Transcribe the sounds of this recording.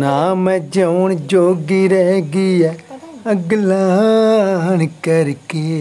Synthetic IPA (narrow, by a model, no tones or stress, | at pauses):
naːmɛ̃ːd͡ʒəʊɳd͡ʒoːɡiːɾɛɡiːɛːəɡlaː | nkəɾkeː